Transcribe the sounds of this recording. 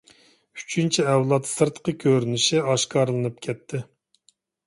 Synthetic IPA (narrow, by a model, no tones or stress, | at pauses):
y̥t͡ʃʰynt͡ʃʰiɛwlˠɑt̪sɨɾt̪qʰəkʲʰøɾynɪʃɪɑʃkɑɾlˠɨnɨp̚kʲʰɛt̪ʰːɪ